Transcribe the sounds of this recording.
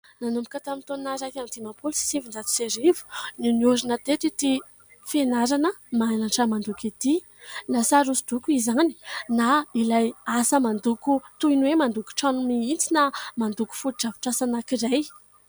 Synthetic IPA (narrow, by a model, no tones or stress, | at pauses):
nanumbikʲət̪amint̪onaɾakamint̪imapulsi̥sivind͡zat̪u̥seɾivu̥niniuɾinət̪et̪it̪i | fenaɾanəmaanaʈ͡ʂəmand̪ukit̪i | nasaɾusid̪ukuizani̥nailajasəmand̪ukut̪ujnwemand̪uku̥ʈ͡ʂanumiint͡sinamand̪uku̥fuɾʈ͡ʂavi̥ʈ͡ʂasanakiɾaj